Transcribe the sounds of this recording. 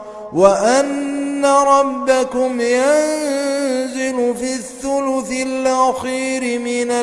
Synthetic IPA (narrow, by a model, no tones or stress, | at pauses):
waʔanːaɾˤɑbːakʊmjannzɪlʊfiːθːʊlʊθɪlʔaxiːɾɪmɪna